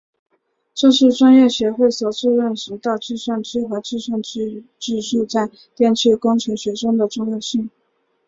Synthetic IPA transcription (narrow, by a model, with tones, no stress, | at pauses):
ʈ͡ʂɤ˥˧ʂɻ̩˥˩˧ʈ͡ʂwa˥njɛ˥˩ɕɥɛ˧˥xwe˥˩ɪswɔ˨˩ʈ͡ʂu˥˧ɻə˥˩nʂɻ̩˧˥t̪ɑ˥˧ʊʈ͡ʂɻ̩˥˧swa˥˧nʈ͡ʂɻ̩˥xɤ˧˥ʈ͡ʂɻ̩˥˧ʂwa˥˧nʈ͡ʂʈ͡ʂɻ̩˥˧ʂu˥˧t͡sa˥˧ɪ | t̪jɛ˥˧nt͡ɕʰy˥˩kʊ˥ŋʈ͡ʂʰɤ˧˥ɕɥɛ˧˥ʂɤ˥ŋd̪ə˨ʈ͡ʂʊ˥˧ŋjɛ˥˧ɕi˥˩ŋ